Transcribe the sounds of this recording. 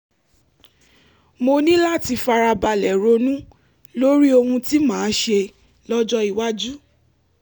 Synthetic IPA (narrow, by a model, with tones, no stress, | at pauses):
mo˧nĩ˦la˦˨ti˧fa˧ɾa˧ba˧lɛ˨ɾo˨˧nũ˦ | lo˦ɾi˦o˧hũ˧ti˦mãː˨˦ʃe˧ | lɔ˦d͡ʒɔ˦i˨wa˦d͡ʒu˦